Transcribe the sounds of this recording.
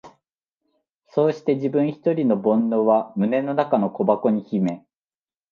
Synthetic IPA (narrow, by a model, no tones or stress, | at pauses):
so̞ːɕi̥t̪e̞ʑibɯ̟̃ɰ̃çi̥t̪o̞ɾʲino̞bõ̞nːo̞βamɯ̟ne̞no̞nakano̞ko̞bako̞ɲ̟içime̞